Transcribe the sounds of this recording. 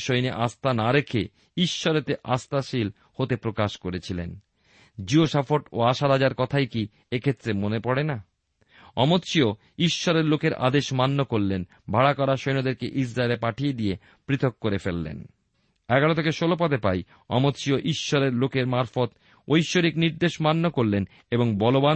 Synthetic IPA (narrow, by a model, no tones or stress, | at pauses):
ʃojneʔast̪anaɾekʰe | iʃːɔɾet̪eʔast̪aʃil | hot̪epɾokaʃkoɾet͡ɕʰilen | d͡ʑioʃafoʈo̰aʃaɾad͡ʑaɾkɔt̪ʰajki | ekʰet̪ːɾemonepɔɽena | ɔmot̪ʃio | iʃːɔɾeɾlokeɾʔa̰d̪eʃmanːokoɾlen | bʱaɽakɔɾaʃojnod̪eɾkḛʔis̬ɾaelepaʈʰijed̪ije | pɾit̪ʰok̚ːoɾefelːḛn | ɛɡaɽot̪ʰekeʃolop̬ad̪epa̰j | ɔ̰mot̪ʃioʔiʃːoɾeɾlokeɾmaɾfot̪ | ojʃːoɾikniɾd̪eʃmanːokoɾlen | eboŋbɔloba